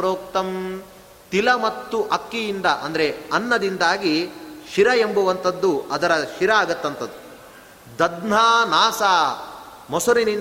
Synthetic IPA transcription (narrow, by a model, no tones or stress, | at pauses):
ɾoːkt̪ɐm | t̪ilɐmɐt̪ːuʔɐkːijind̪ɐʔɐ̰nd̪ɐɾeɐnːɐd̪ind̪aːɡiʃiɾɐembɐʋɐnt̪ɐd̪ːuɐd̪ɐɾɐʃiɾɐaːɡɐt̪ːɐnt̪ɐd̪ːu | d̪ɐd̪n̤aːnaːsaː | mɔsuɾinin